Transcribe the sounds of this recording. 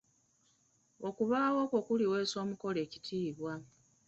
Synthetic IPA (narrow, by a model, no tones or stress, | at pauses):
okuβaːwo̞ːko̞kuliwe̞ːso̞ːmuko̞le̞ːci̥tʰiːβwa